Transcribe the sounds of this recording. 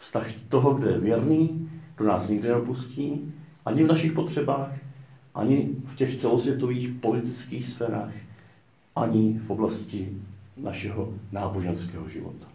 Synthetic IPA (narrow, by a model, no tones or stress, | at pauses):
fst̪axt̪o̞ɦo̞ɡdojɛvjɛɾniːɡ̥do̞naːsɲɪɡdɪnɛopusciːʔaɲɪvnaʃɪxpo̞t̪r̝̥ɛbaːxʔa̰ɲɪfcɛxt͡sɛlo̞svjɛt̪o̞viːxpo̞lɪt̪ɪt͡skiːxsfɛːɾaːx | ʔaɲɪfʔo̞blascɪnaʃɛɦonaːbo̞ʒɛnskɛːɦoʒɪ̰vo̞̰t̪ḁ